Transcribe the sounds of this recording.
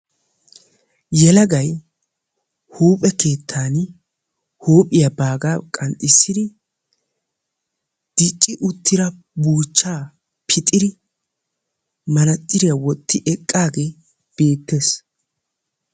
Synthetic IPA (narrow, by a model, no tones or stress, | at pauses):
jɛlɐɡɐj | huːpʼɛke̞ːt̪ʰːaːn | huːpʼːɪjɐbaːɡaːkʼɐnt̪ʼːɪsːɪd̪ɪ | d̪̥ɪt͡ʃʼːɪʔʊt̪ːɪɾɐ | buːt͡ʃːaː | pʰɪt̪ʼɪd̪ɪ | mɐnɐt̪ʼːɪɾɪjɐwɔt̪ːɪʔɛkʼːaːɡe̞ː | b̥e̞ːt̪ːeːs